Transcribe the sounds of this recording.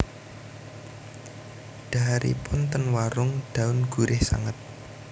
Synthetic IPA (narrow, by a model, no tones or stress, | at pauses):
ɖ̥a̤ɦaɾḭpʊnt̪ənwaɾʊŋɖ̥a̤ʊnɡ̥ṳɾɪhsa̰ŋət̪̚